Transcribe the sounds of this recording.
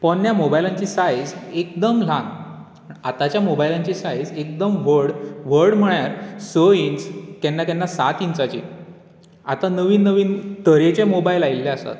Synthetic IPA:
pəɳːjamobajlãɲt͡ɕiːsajd͡zekd̪əmlãn | at̪at͡ɕjamobajlãɲt͡ɕiːsaid͡zek̚d̪əmʋəɾɽʋəɾɽm̤əɳjaɾsəinskɛnːakɛnːasat̪int͡sat͡ɕḭː | a̰t̪anəʋiːnːəʋiːnt̪əɾet͡ɕemobailailːeasa̰t̪

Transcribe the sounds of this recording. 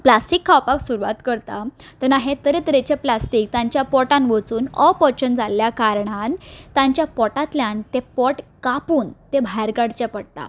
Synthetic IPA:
plasʈikʰːawpaksuɾuʋa̰t̪kəɾt̪at̪ənaɦẽt̪əɾet̪əɾet͡ɕeplasʈiːk̚t̪ãɲt͡ɕjapɔʈãnʋət͡suːnɔ̰pɔt͡ɕənd͡zaljakaɾɳant̪ãɲt͡ɕjapɔʈãt̪ljãnt̪epɔʈkapuːnt̪ẽbʱajɾɡaɽt͡ɕjapəɽt̪a̰

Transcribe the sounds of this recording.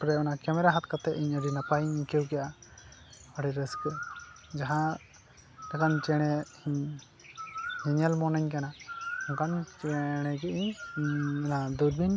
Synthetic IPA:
pɾɛɔnakɛmɛɾaɦat̪̚kat̪ɛʔiɲəɖinapaiɲikewɡɛjʔa | ɔɖiɾəskɛd͡ʒaɦã | d̪akant͡ʃɛɽ̃ɛhiɲ | hiɲalmɔnaɲkanaɔŋkant͡ʃɛɽ̃ɛɡɛʔiɲ | nad̪uɾbʱin

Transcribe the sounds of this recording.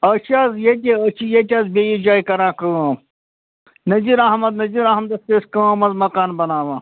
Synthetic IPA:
ɐt͡ʃʰaːzjet̪̬ʲeət͡ʃʰijet̪̬ʲaːzbejid͡ʒaːikɐɾãːkəũa | nɐziɾɐɦmɐd̪nɐziɾaɦmɐd̪ɐst̪eːskəamɐzmɐkaːnbɐnaːʋãː

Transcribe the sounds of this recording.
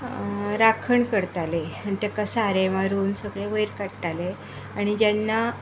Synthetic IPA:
ɾakʰəɳkəɾt̪aleant̪akasaɾeʋaɾuːnsəɡɭeʋəjɾkaɽʈ̪ale | aɽ̃id͡ʑanːa

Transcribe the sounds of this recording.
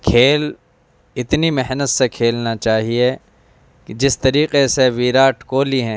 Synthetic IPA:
kʰeːl | ɪt̪nimɛɦnət̪sekʰeːlnat͡ʃaːɦie | kd͡ʒɪst̪ɐɾiːqeseʋiːɾaːʈkoːliɦɛ̃ː

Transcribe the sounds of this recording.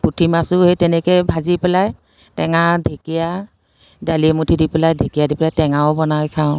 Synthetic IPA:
putʰimasuhetɛnɛkɛbʱazipɛlaj | tɛŋadʱekija | dalimutʰidipɛlajdʱekijadipɛlajtɛŋaɔbɔnajkʰaʊ̃

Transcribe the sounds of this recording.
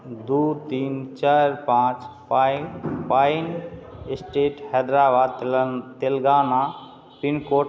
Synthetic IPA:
d̪ut̪iːnt͡ʃaɾpãːt͡ʃp | pajnɪsʈeːʈhɛd̪ɾaːbaːd̪t̪elɡaːna | pinkoː

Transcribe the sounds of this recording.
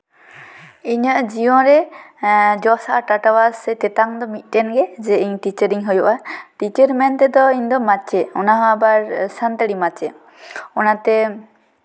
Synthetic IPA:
iɲəʔd͡ʒijɔ̃ɾɛ | d͡ʒɔsaʔaʈaʈawasɛt̪ɛt̪aŋd̪ɔmit̪̚ˀtɛnɡɛd͡ʒɛiɲʈit͡ʃəɾiɲɦɔjɔʔaʈit͡ʃəɾmɛnt̪ɛd̪ɔiɲd̪ɔmat͡ʃɛɔnaɦɔ̃abaɾsant̪əɽimat͡ʃɛ | ɔnat̪ɛ

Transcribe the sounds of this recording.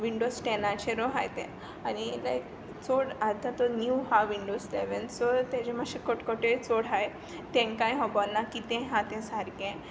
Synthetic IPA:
ʋiɳɖosʈɛnat͡ɕeɾoɦa̰jt̪ḛ̃ | anilajk | t͡soɽat̪at̪ɔnjuɦaʋiɳɖosleʋənsɔt̪ed͡ʑemaɕekoʈkoʈet͡soɽɦaj | t̪ɛ̃ŋkãjɦɔbɔlnakit̪ɛ̃ɦãt̪ɛ̃saɾkẽ

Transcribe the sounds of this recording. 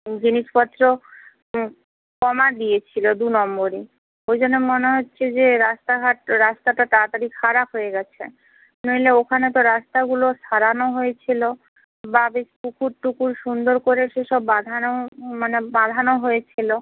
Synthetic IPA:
d͡ʑiniʃpɔt̪ːɾo | kɔmad̪ijet͡ɕʰilod̪unɔmboɾi | ojd͡ʑonːemoneɦotːɕʰed͡ʑeɾast̪aɡʱaʈɾast̪aʈaʈ̪at̪aɾikʰaɾapɦojeɡɛt͡ɕʰḛ | nojleokʰanet̪̬oɾast̪aɡuloʃaɾanoɦojet͡ɕʰilo | babeʃpukuɾʈukuɾʃund̪oɾkoɾeʃeʃɔbːad̪ʱanomanebad̪ʱanoɦojet͡ɕʰilo

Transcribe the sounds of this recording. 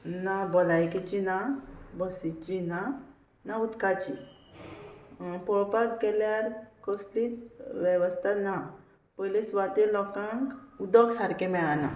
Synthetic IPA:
nabɔlajkit͡ɕinabəsit͡ɕina | naut̪kat͡ɕḭ | pɔpaɡkeljaɾkɔslit͡sʋɛʋəst̪ʰana | pɔjlisʋat̪elɔkãŋkud̪ɔɡsaɾkemɛɭana̰

